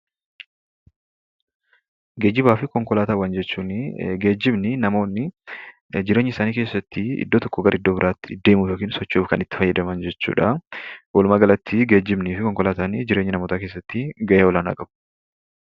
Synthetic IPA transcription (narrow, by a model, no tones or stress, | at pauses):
ɡeːd͡ʒːɪbaːfɪkɔŋkɔlaːt̪aːwaːnd͡ʒɛt͡ʃːuːnɡe̞ːd͡ʒːɪbnɪnɐmo̞ːnːɪ | d͡ʒɪɾeɲːɪsaːniːke̞ːsːɐt̪ːɪɪ̰d̪ːoːt̪ɔkːɔɡɐɾʔɪd̪ːoːbɪɾaːt̪ːɪd̪e̞ːmuːfjoːkiːnsɔt͡ʃːuːfkɐnɪt̪ːɪ̥fɐjːɐd̪ɐmɐnd͡ʒɛt͡ʃːṵːᶑɐwʔɔlʊmaːɡɐlɐt̪ʰːɪɡe̞ːd͡ʒːɪbniːfɪkɔŋkɔlaːt̪aːnid͡ʒɪɾe̞ːɲːɪnɐmoːt̪aːkeːs̬ːɐt̪ːɪɡɐʔeːɔlaːnɐ̰ɡɐbʊ̥